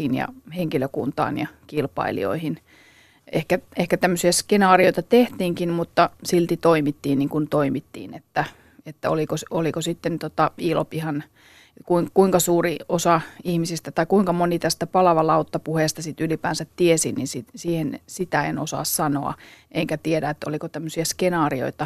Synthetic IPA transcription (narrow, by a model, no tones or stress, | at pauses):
injɑ̰heŋkiløkunt̪ɑ̰ːnjɑkilpɑ̰ilḭo̰ihin | ehkæehkæt̪æmːøsiæskenɑːrioit̪ɑt̪eht̪iːŋkinmut̪ːɑsilt̪it̪oimit̪ːiːnniŋkunt̪oimit̪ːḭːnet̪ːæ | et̪ːæo̰likosolikosit̪ːent̪ot̪ɑiːlo̰pihɑn | kuiŋkuiŋkɑsuːriosɑihmisist̪æt̪ɑikuiŋkɑmonit̪æst̪æpɑlɑʋɑlɑut̪ːɑpuheːˑst̪ɑsit̪ylipæ̰ːnsæt̪tiesinninsisiːhensit̪æḛnosɑ̰ˑːssɑno̰ɑ̰ʔeŋkæt̪ieɾæet̪ːolikot̪æmːøsiæskenɑːrio̰it̪ɑ